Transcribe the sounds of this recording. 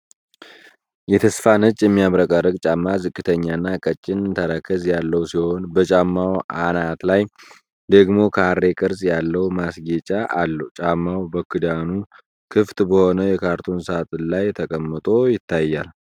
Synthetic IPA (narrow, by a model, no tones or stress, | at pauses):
jɛt̪ʰəsfanɨt͡ʃʼːjɛmːijaβɾəkʼaɾəɡt͡ʃʼamːazɨkʼːɨt̪ʰəɲːanːakʼət͡ʃʼːɪnɨt̪ʰəɾəkʰːəzjalːəwsiho̞nbət͡ʃʼamːawʔanat̪laj | d̪əɡmo̞kʰəaɾːe̞kʼɨɾsjalːəwmasɡet͡ʃʼaʔːlːəwt͡ʃʼamːawbəkʰɨd̪anu | kʰɨft̪bəho̞nəjɛkʰaɾt̪ʰo̞nsat̪ʼlajt̪ʰəkʼəmːət̪ʼo̞jɪt̪ʰːajːal